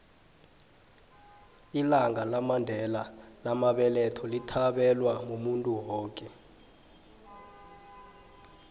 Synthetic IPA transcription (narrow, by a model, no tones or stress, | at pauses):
ilaŋʱalamandʱɛlalamaɓɛlɛtʰɔlitʰaɓɛlwamumuntʼuwɔːkʼɛ